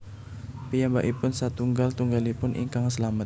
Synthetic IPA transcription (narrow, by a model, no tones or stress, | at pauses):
pijamba̰ʔipʊnsat̪uŋɡalt̪uŋɡalipʊnʔḭŋkaŋsəlamət̪̚